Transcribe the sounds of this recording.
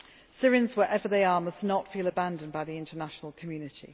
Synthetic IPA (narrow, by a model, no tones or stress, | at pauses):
sɪɹɪ̃nzwəɹʔɛvəðeɪəːməsnətfiːləbãndə̃nbaɪðiɪ̃ntʰənaʃənəlˠkʰəmjʉːnɪtʰḭ